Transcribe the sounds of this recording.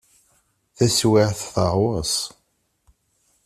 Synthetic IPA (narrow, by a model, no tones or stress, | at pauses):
θæswɪʕθθəʁwəs